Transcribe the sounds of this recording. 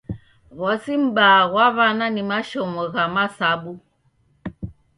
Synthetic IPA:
ɣɔsim̩ɓaːɣwaβananimaʃɔmɔɣamasaɓu

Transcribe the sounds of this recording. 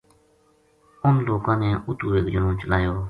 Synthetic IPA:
ʔonlokanɛːʔut̪uweːkd͡ʑonloŋt͡ɕəlajo

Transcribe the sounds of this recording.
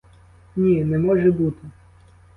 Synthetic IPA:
nʲinɛmɔʒɛbut̪ɪ

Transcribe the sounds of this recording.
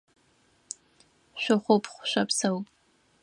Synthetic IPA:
ʃʷʊχʷopʰʼχʷʃʷapʰsawpʼ

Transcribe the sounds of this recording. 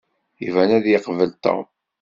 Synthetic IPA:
ivænæðjɪqvəlt̪o̰m

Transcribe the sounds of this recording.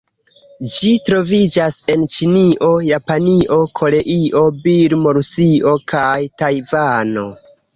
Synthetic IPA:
d͡ʒitɾo̞vid͡ʒase̞nt͡ʃiniʔo̞japaniʔo̞kʰo̞le̞ʔiʔo̞biɾmo̞ɾusio̞kʰajtajvano̞

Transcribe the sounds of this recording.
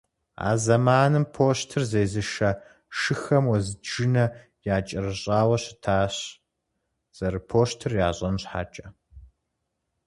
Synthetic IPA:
a̰ːzɐmaːnɨmpʰoːɕtʰɨrzeːjzɨʃɐ | ʃɨxɐmwɔzɨʒɨnɐ | jaːt͡ʃʼɐrɨɕʼaːwɐɕɪtʰaːɕ | z̥ɐɾɨpʰoːʃtʰɨrjaːɕʼɐnɕħa̰ːt͡ʃʼɐ

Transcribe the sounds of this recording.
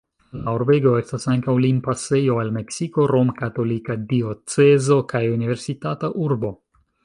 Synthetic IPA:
lauɾbe̞ɡo̞e̞stasaŋkawlimpase̞jo̞alme̞ksiko̞ɾo̞mkato̞likadio̞t͡se̞zo̞kʰajunive̞ɾsitataʔuɾbo̞

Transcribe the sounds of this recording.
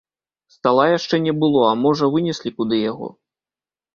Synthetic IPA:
st̪alˠajaʂt͡ʂɛnʲɛbɨlˠɔamɔʐɐvɨnʲɛsʲlʲikud̪ɨjaɣɔ̰

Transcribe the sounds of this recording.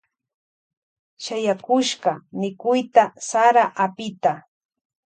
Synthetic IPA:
ʃajakʊʃɢɑmɪkʊjt̪asaɾaʔapɪt̪a

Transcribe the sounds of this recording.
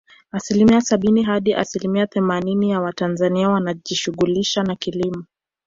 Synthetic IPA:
asilimiasaɓiniɦaɗiʔa̰silimiaθɛmaninijawatanzaniawanaʄiʃuɣuliʃanakilimu

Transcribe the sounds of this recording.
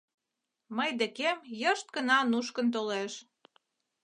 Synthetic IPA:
məjd̪ekemjəʃt̪̚kə̆nɑnuʃkənt̪̬oleʃ

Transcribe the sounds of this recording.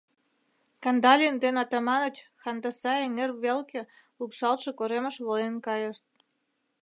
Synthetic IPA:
kɑnd̪ɑlʲiənd̪enɑt̪ɑmɑnət͡ɕxɑnd̪ɑsɑeŋerβelke | ukʃɑlʃekoɾeməʃβolenkɑjəʃt̪̚

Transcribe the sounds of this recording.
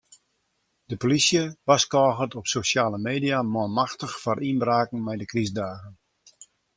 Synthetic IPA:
d̥əpolisjəʋaskɔːɣətɔpsoʃjaːləmeːdijamɔmaxtəxfarʔinbraːkŋ̩mɛjdəkrisdaːɣən

